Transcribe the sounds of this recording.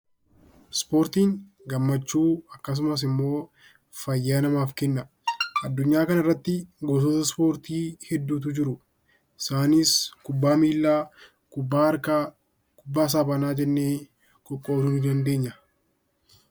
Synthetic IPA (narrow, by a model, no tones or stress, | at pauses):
spo̞ːɾt̪iːŋ | ɡɐmːɐt͡ʃːuːɐkːɐs̬ʊmɐs̬ɪmːo̞ː | fɐjːaːnɐmaːfkɛnːɐ | ʔɐd̪ːʊɲːaːkɐnɐɪrːɐt̪ːɪɡoːs̬oːsɐspo̞ːɾt̪iːhɛd̪ːuːt̪̬ʊd͡ʒɪɾʊ | ɪsaːniːskʊbːaːmiːlːaː | baɾka | kʊbːaːs̬aːbɐnaːd͡ʒɛnːeː | kʼɔkʼːo̞ːd̪ʊndɐnd̪e̞ːɲːɐ